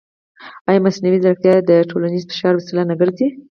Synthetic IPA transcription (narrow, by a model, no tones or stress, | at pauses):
ɑjɑmasnawizɾaxt̪jad̪əʈʰolanizfɪ̥ʃɑɾwasɪlanaɡəɾd̪i